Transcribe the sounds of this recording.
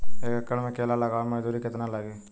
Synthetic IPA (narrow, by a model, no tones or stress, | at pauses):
eːkəkːəɽmẽkeːlaləɡaːməd͡ʒd̪uːɾikɪt̪naləɡiː